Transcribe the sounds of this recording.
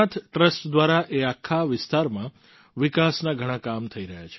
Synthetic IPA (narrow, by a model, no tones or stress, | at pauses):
at̪ʰʈɾəsʈd̪ʋaɾaʔeakʰːaʋɪst̪aɾmã | ʋɪkasnaɡʱəɽ̃ãkamt̪ʰəiɾəɦjat͡ʃʰe̥